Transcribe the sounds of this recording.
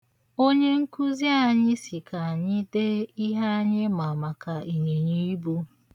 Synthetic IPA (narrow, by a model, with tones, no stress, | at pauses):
o˦ɲe˦ŋ̩˦ku˦zi˦a˨ɲɪ˦si˨ka˨ɲɪ˦de˦i˦ɦa˦ɲɪ˦ma˨ma˨ka˨ʔi˨ɲe˨ɲi˦i˦bu˦